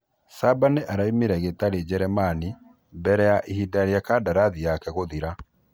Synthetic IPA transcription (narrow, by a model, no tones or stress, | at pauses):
sabaneʔaɾaimeɾɛɣetaɾed͡ʑɛɾɛmani | bɛɾɛjaʔehidaɾjakadaɾaðijakɛɣoðiɾa